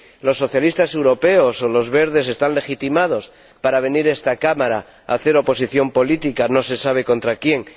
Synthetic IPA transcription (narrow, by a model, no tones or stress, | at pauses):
lo̞sːo̞θjalist̪ase̞wɾo̞pe̞oso̞lo̞zβe̞ɾð̞e̞s̬e̞st̪anle̞xit̪imað̞o̞s | paɾaβ̞e̞niɾe̞st̪akamaɾa | a̰θe̞ɾo̞po̞siθjo̞mpo̞lit̪ikano̞se̞saβ̞e̞ko̞nt̪ɾakje̞ŋ